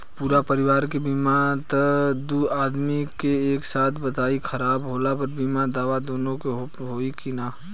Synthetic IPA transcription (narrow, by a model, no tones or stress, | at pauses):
puːɾapəɾɪʋaːɾkebiːmat̪əd̪uaːd̪mikeeːksaːt̪ʰbət̪aːikʰəɾaːbɦoːlapɐɾbimad̪aːʋad̪oːnõkeɦ | ɦoːikina